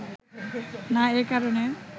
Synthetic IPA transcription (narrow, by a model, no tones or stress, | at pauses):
naeːkaɾoɳe